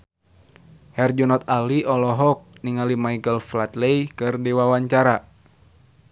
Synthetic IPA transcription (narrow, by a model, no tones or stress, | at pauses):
hɛrd͡ʒɔnɔt̪aliʔɔlɔɦɔk̚niŋalimaikəlflat̪lejkɨrdiwawaɲt͡ʃaɾa